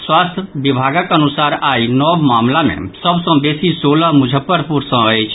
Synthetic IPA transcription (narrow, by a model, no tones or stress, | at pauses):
swaːst̪ʰʋɪbʱaːɡəkənʊsaːɾaːinɔːbmaːmlamḛ̃səbsə̃beːsisoːlamʊd͡ʒʱəpːəɾpʊɾsə̃ɦət͡ʃʰ